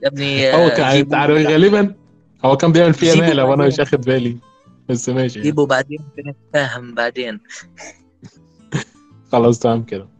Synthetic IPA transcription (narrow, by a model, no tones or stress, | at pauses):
ʔæb̚nihæwːækænʕaent̪aʕaɾˤfiɣæːlebæn | ʔæwːækæːmbejeʕmelfiːhæmæːlæwʔænæmeʃ̬ʔæxed̪bæːli | b̥æsːemæːʃ̬iiːbubaʕd̪eːnmkenet̪fæːɦembaʕd̪eːn | xɑlɑs̬ˤt̪aʕhæmːked̪æ